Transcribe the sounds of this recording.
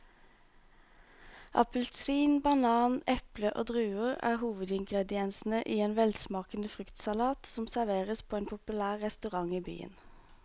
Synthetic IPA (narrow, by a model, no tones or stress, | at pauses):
ʔɑ̰pəlt̪siːnbɑnɑːnʔɛpləʔo̰ːd̪ʁʉːʊʁæ̰ːʁhuːʋəd̪ɪŋɡʁɛd̪ɪɛnsn̩əʔiːeːnʋɛlsmɑːkən̩əfʁʏkt̪sɑlɑːt̪sɔmsæʁʋeːʁəspʰoːeːnpʰʊpʉlæːʁːɛst̪ʉʁɑŋiːby̰ːə̰n